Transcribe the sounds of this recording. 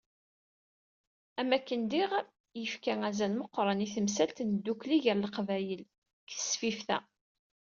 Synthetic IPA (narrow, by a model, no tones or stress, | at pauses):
æmːækːənd̪iʁ | jəfkæŋæzælməqːɾˤəniθəms̬ælt̪nd̪ːukliʝəɾləqvæjəl | kθə̥sfifθæ̰